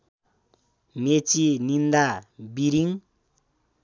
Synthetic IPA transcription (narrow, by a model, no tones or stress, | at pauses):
met͡sinind̪abiɾiŋ